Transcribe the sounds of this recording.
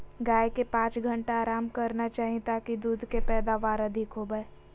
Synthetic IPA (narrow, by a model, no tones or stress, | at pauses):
ɡaːjkepãːt͡ʃɡʱə̃ɳʈaaːɾaːmkɐɾnat͡ʃaːɦĩt̪akid̪uːd̪ʱkepɛːd̪aʋaːɾɐd̪ʱɪkɦobəeː